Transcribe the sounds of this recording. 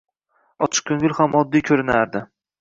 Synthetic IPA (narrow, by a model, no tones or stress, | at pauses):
ɒt͡ʃʰɪ̥q̚kʰɵŋɪlhamʔɒd̪ːijkʰɵɾɪnaɾd̪ɪ